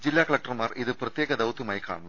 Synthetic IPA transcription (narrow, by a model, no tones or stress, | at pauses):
d͡ʑilːaːkɐɭɐk̚ʈrɐmaːriðɨprɐt̪jeːɣɐd̪ɐʋt̪ːumaːjika̰ːɳɐnːɐm